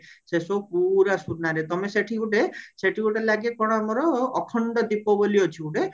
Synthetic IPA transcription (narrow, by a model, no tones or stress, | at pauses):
sesopuɾasuɾnaɾet̪ɔmeseʈʰiɡuʈeseʈʰiuʈelaɡekɔɽ̃ɔ̃amɔɾɔːkʰɔɳɖɔd̪ipɔbɔliɔt͡ʃʰiuʈe